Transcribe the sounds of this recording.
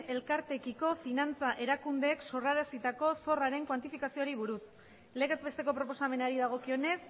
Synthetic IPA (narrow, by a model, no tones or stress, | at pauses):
e̞lkaɾt̪e̞kiko̞finant͡saʔe̞ɾakund̪ekso̞raɾasit̪ako̞so̞raɾe̞ŋkwant̪ifikasioɾiβ̞uɾus | le̞ɣezbe̞st̪e̞ko̞pɾo̞po̞same̞naɾiðaɣ̞o̞kio̞ne̞s